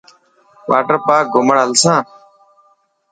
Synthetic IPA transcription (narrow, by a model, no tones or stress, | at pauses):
ʋʔa̰ːʈəɾpaːk̚ɡʊməɽɦəlsãː